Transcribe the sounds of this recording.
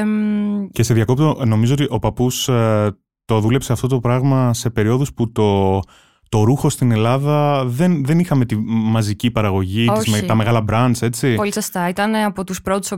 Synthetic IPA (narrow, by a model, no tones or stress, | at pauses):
ce̞seðʝɐko̞p̚t̪o̞no̞mizoot̪iʔo̞pɐpus | t̪o̞ðule̞pse̞ɐft̪o̞t̪̬o̞pɾɐɣmɐse̞pe̞ɾio̞ðusput̪o̞ | t̪o̞ɾuxo̞st̪ine̞lɐðɐðe̞nðe̞nixɐme̞t̪imɐzicipɐɾɐɣo̞ʝitoizt̪ɐme̞ɣɐlɐbɾɐnt͡se̞t͡sipolisost̪ɐit̪ɐneɐpot̪uspɾot̪u̥so